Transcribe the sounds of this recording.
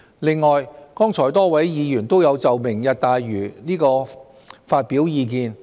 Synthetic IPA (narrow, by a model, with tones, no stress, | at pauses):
lɪ˨ŋːɔː˨jkɔː˥ŋt͡sʰɔː˨˩jt̪ɔː˥wɐ˨˥jjiː˨˧jyː˨˩nt̪o˥wjɐ˨˧wt͡sɐ˨wmɪ˨˩ŋjɐ˨t̚t̪aː˨jɥyː˨˩niː˥kɔː˧ | faː˧t̚pi˨˥wjiː˨˧k̬iː˧n